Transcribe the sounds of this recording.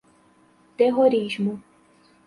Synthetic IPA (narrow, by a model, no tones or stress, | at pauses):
t̪eɦoɾiʒmu